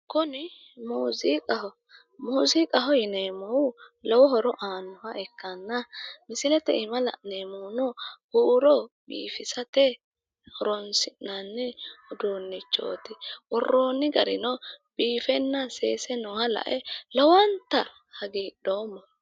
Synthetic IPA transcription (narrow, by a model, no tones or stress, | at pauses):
kʊnɪ | muːzikʼɐhɔ | muːzikʼɐɦɔjɪneːmɔwʊlɔwɔɦɔɾɔʔaːnːɔwɐʔɛkːɐnːɐmɪsɪlɛt̪ɛʔɪmɐlɐ̰ʔnemɔwnɔhuʔɾɔbḭːfɪsɐt̪ɛ | hɔɾɔnsɪnːɐnːɛɔd̪oːnːɪt͡ʃːo̰ːt̪ɪʔɔrːoːnːɪɡɐɾɪ̰nɔb̥iːfɛnːɐseːsɛnɔhɐlɐ̰ʔɛlɔwɐnt̪ɐ | hɐɡiːɗoːmːɔ